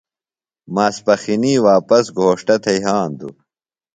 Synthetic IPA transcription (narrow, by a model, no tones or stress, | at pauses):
maːspɐxiniːwaːpɐsɡʱoːʂʈɐt̪ʰɐiɦaːnd̪ṵ